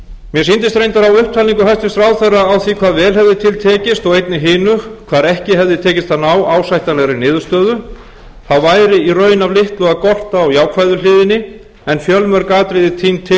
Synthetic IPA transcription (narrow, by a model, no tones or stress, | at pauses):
mjɛsint̪ɪst̪ɾejnt̪aɾawʏhp̚t̪ʰaːliŋkʏɦast̪ɪst̪ɾaːwθerːaːwθikʰvaːðvɛːlɦɛvðɪt̪ʰɪlt̪ʰɛːcɪst̪ɔɣejt̪nɪɦɪːnʏkʰv̥aːðɛhcɪɦɛvðɪt̪ʰɛːcɪst̪θanːawaːwsajht̪anɛɣɾɪnɪːðʏ̥st̪œːðʏ | θawvaːjɾɪirœːɥnavlɪht̪lɔɣakɔr̥t̪aːwjaːwkʰvajðʏlɪːðɪnːɪ | ɛnfjœlmœɾkaːt̪ɾɪðɪt̪ʰint̪ʰɪ